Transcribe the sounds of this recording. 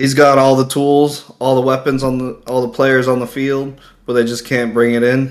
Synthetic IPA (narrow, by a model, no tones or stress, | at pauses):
hizɡɑɾɔlˠðətʰulˠzɔlˠðəwɛpɨ̃nzn̩ðəɔlˠðəpʰl̥eɪə˞zn̩ðəfilˠd̚ | b̥ʌt̪̚ðeɪd͡ʒʌskʰæ̃nb̥ɹɪ̃ŋɨɾɪ̃n